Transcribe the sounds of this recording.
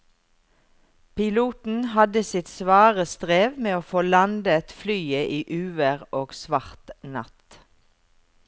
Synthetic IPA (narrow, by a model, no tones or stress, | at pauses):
pʰɪluːt̪n̩hɑd̪əsɪt̪sʋɑːʁəst̪ʁeːʋmeːoːfoːlɑnd̪əɛt̪flyːəʔiːʔʉːʋəʁoːɡsʋɑʁt̪nɑ̰t̪